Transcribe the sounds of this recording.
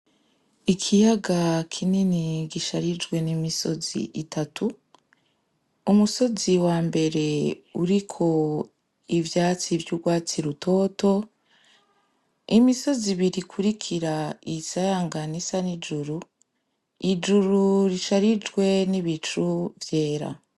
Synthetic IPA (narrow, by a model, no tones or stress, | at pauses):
ikʰijaɡakʰininiɡiʃaɾid͡ʒɡwe̞nimiso̞zḭʔitʰatʰu | umuso̞ziwaːmbe̞ɾe̞uɾikʰo̞ | ivjaːt͡sivjuɡwaːt͡siɾutʰo̞ːto̞ | imiso̞ziβiɾikʰuɾikʰiɾaisajaːŋɡanisanid͡ʒuɾu | id͡ʒuɾuɾiʃaɾid͡ʒɡwe̞niβit͡ʃuvje̞ːɾa̰